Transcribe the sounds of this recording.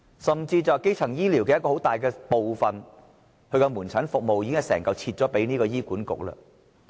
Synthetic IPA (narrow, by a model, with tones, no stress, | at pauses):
sɐ˨mt͡siː˧t͡sɐ˨˧ke˥jt͡sʰɐ˨˩ŋjiː˥li˨˩wkɛ˧jɐ˥kɔ˧ho˨˥wt̪aː˨jkɛː˧po˨wfɐ˨n | hɵ˧ɥkɔ˧muː˨˩nt͡sʰɐ˨˥nfʊ˨k̚mo˨wjiː˧kɪ˥ŋhɐ˨˩sɛ̰ː˨˩ŋkɐ˨˧wt͡sʰiː˧t̚t͡sɔː˨˥pe˨˥jniː˥kɔː˧jiː˥kuː˨˥nkʊ̰˨k̚lɐ̰ː˧